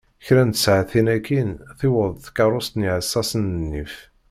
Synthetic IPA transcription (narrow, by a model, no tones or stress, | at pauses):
çɾænt̪ə̥sʕaθinækːinθiwəðˤθkɑɾˤʊst̪niʕəsːɑsənənːif